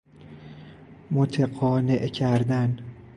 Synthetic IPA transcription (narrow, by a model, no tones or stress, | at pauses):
mot̪ʰeɢɒːneʔcʰæɾd̪æn